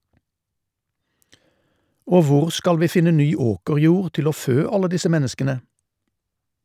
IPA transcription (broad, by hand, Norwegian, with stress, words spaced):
ˈoː ˈʋʊʁ ˈskɑl ˈʋiː ˈfɪnə ˈnyː ˈoːkəʁˌjuːʁ ˈtɪl ˈoː ˈføː ˈɑlə ˈdɪsə ˈmɛnəskənə